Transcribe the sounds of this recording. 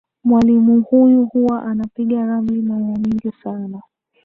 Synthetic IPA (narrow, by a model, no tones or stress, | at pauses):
mwalimuhujuhuwaʔanapiɠaɾamlimajamiŋɡisana